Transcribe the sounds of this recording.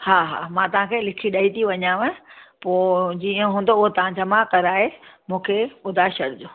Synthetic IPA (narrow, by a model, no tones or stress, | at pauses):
haːɦa̰ːmãt̪ɐʋ̤ãkʰeːlɪkʰiɗɐɦit̪ʰiʋɐɲaːʋə̃poːd͡ʑiːə̃ɦũːn̆d̪oʊɦot̪ɐʋ̤ãd͡ʑɐmakɐɾaːɦemũːkʰeʊd̪ʱaʃɐɽɪd͡ʑoː